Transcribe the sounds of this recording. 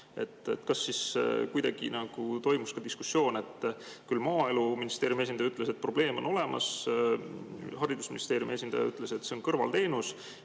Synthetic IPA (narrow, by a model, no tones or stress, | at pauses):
e̞t̪ːˑet̪ːkɑsːiskujd̪ɑɡ̥ḭnɑɡ̥ut̪o̞jmuskɑd̪iskusːjo̞ːne̞t̪ːˑkylmɑːe̞luminist̪e̞ːɾjume̞s̬ʲind̪ɑjyt̪ːˑlese̞t̪̚pro̞b̥le̞ːmo̞no̞le̞mɑ̰s | hɑɾid̪usminʲist̪e̞ːɾjume̞s̬ʲind̪ɑjɑ̰yt̪ːˑle̞se̞t̪ːse̞o̞nkɤrvɑ̰lt̪e̞ːnus